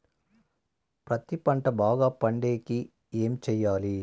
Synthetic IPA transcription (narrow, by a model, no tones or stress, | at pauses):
pɾɐt̪ipɐɳʈɐbaːɡaːpɐɳɖe̞ːki | eːmit͡ʃɛjːaːli